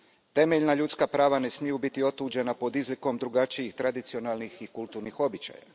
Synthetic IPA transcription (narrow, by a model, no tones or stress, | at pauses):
t̪e̞meʎnaʎut̪skapɾaːʋane̞smijubit̪io̞t̪uːd͡ʒe̞napo̞d̪izliko̞md̪ɾuɡat͡ʃijixt̪ɾad̪it̪sio̞nalˠnixikulˠt̪uːɾnixo̞bit͡ʃa̰ja̰